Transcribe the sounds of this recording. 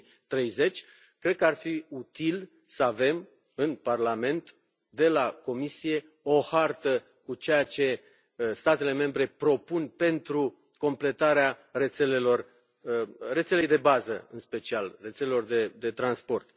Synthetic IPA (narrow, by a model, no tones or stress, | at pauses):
t̪ɾe̞jze̞t͡ʃʲ | kɾe̞d̪̚kəarfiut̪il | səave̞m | ɨnparlame̞nt̪ | d̪e̞lako̞misije̞ | o̞hart̪ə | kut͡ʃe̞jat͡ʃe̞ | st̪at̪e̞le̞me̞mbɾe̞pɾo̞punpe̞nt̪ɾu | ko̞mple̞t̪aɾeare̞t̪se̞le̞lo̞r | re̞t̪se̞le̞jd̪e̞bazəɨnspe̞t͡ʃialre̞t̪sele̞lo̞rd̪e̞d̪e̞t̪ɾanspo̞rt̪